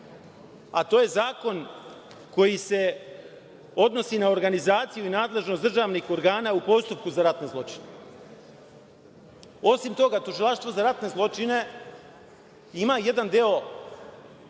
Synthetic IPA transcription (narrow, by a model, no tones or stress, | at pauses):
at̪o̞ːje̞zaːko̞n | ko̞jise̞ | o̞d̪no̞sinao̞ɾɡanizaːt̪sijuinaːd̪le̞ʒnosd̪r̩ʒaːʋnixo̞ɾɡaːnaːupo̞st̪up̚kuzaɾat̪ne̞zlˠo̞t͡ʃine | o̞simt̪o̞ɡat̪uʒilˠaʃt̪ʋo̞zaɾat̪ne̞zlˠo̞t͡ʃine̞ | imaje̞d̪and̪eo̞